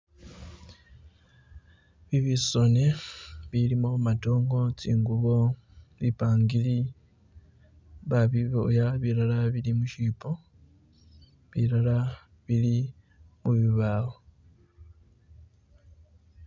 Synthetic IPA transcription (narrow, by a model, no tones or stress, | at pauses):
βiβiso̞neβilimomato̞ːŋɡo̞t͡siːŋɡuβo̞ | βipaːŋɡili | βaβiβojaβiɾalaβilimuʃiːpo̞ | βiɾala | βili | muβiβaːho